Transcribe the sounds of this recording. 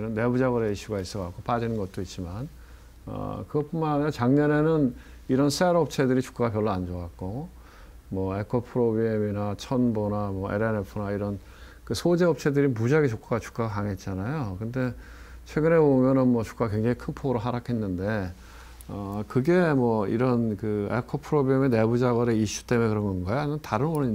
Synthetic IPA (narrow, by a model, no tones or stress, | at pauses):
iɾʌnːe̞bud͡ʑaɡɯɾeiɕʰuɡais͈ʌkak͈op͈ad͡ʑinɯnɡʌt̚t͈oit̚t͡ɕ͈iman | ʌ̰kɯɡʌp͈omanaɲot͡ɕaŋɲʌne̞nɯn | iɾʌnsʰeɾʌp̚t͡ɕʰe̞dɯɾit͡ɕu̥k͈aɡapjʌɭːoand͡ʑoak̚k͈o | mwʌe̞kʰopʰɯɾobieminat͡ɕʰʌnbonamwʌḛɾenepʰɯnaiɾʌn | kɯsʰod͡ʑeʌp̚t͡ɕʰe̞dɯɾimud͡ʑaɡet͡ɕok͈aɡat͡ɕu̥k͈aɡakaŋe̞t̚t͡ɕ͈anajokɯnde̞ | t͡ɕʰwe̞ɡɯne̞bomjʌnɯnmwʌt͡ɕu̥k͈aɡakweŋd͡ʑaŋikʰɯnpʰoɡɯɾoɦaɾakʰe̞nːɯnde̞ | ʌkɯɡe̞mwʌḭɾʌnkɯeɭkʰopʰɯɾobiemene̞bud͡ʑaɡʌɾeiɕ͈u̥t͈emekɯɾʌnɡʌnɡʌjnɯntaɾɯnʌɾɯ